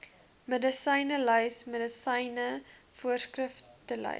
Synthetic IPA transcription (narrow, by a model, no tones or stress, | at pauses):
mədəsəjnəlœjsmədəsɛjnə | fuərskrəftəlɐ̰